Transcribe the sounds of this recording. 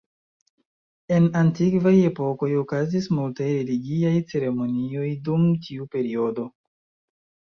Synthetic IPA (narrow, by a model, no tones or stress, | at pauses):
e̞nantikvaje̞po̞ko̞jo̞kazismultajɾe̞liɡiajt͡se̞ɾe̞mo̞nio̞jdumtʰiupe̞ɾio̞do̞